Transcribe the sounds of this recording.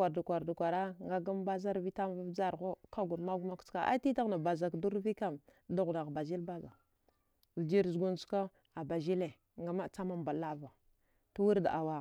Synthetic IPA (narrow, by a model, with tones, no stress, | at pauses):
a˨ɾdu˨kʷa˨ɾdu˨kʷa˨ɾa˦ŋɡa˦ɡa˦mba˦za˦ɾvi˦ta˦m˦va˦vd͡za˦ɾɣo˦ka˦ɡu˨ɾma˦ɡu˦ma˦kt͡ska˨ʔa̰˦ti˦ta˦ɣna˨ba˨za˨kdu˦ɾvi˦ka˦˨m | du˦ɣna˨ɣba˨zi˦lba˦za̰˨ | vi˨d͡ʒi˦ɾzu˨ɡu˦nsu̥˦ka˦ | a˨ba˨d͡ʒi˦le˨ | ŋɡa˨ma˦t͡sa˦ma˦mba˨la˦va˨ | tu˦wu˦ɾda˨ʔa˨wa˨